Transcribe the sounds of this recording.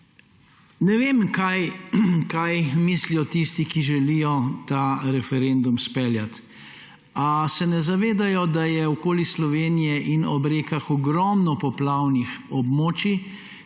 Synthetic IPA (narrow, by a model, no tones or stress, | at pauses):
nɛʋeːmkajkajmiːslijɔt̪ist̪ikiʒɛlijɔt̪aɾɛfɛɾend̪umspɛljat̪ | asɛnɛzaʋeːd̪ajɔd̪ajɛwkoːlislɔʋeːnijɛʔinɔbɾeːkaxɔɡɾɔmnɔpɔplawnixɔbmoːt͡ʃi